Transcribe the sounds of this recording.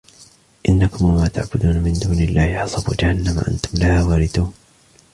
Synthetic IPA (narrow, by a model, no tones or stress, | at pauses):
ʔɪnːakʊmwamaːt̪aʕbʊd̪uːnamɪnd̪uːnɪlːaːhɪħɑsˤɑbṵːd͡ʒahanːama̰ʔa̰nt̪ʊmlahaːwaːɾɪθuːn